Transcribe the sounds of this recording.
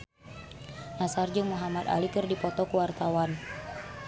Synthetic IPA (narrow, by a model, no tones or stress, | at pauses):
ʔasard͡ʒɨŋmuɦamat̪a̰likɨrdipɔt̪ɔkuwart̪awan